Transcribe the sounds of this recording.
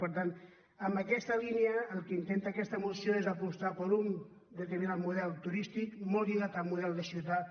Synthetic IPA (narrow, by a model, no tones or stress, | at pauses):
pəɾt̪an | əmbəkɛst̪əliniəːlˠkəint̪ent̪aːkɛst̪əmusjoezəpust̪apəɾun | d̪ət̪əɾminad̪muðɛlˠt̪uɾist̪ikmoɣiðat̪əlˠmuðɛlˠd̪əsiwt̪a